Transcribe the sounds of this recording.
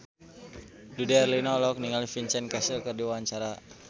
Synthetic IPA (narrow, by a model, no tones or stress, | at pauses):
dudiɛrlinɔlɔk̚niŋalifint͡ʃɛnkasilkərdiwaaɲt͡ʃaɾa